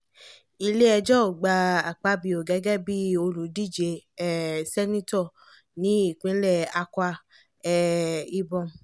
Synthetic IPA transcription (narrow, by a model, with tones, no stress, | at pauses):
i˧le˦ɛ˧d͡ʒɔ˦˨ɡ͡ba˧a˨k͡pa˦bi˧o˨ɡɛ˨˦ɡɛ˦bi˦o˧lu˨˦di˦˨d͡ʒe˧˦ɛ˨sɛ˦nĩ˦tɔ˦˨ | nĩ˨˦i˦˨k͡pĩ˨˦lɛ˦˨a˧kwa˧ | ɛ˦˨i˧bɔ̃˧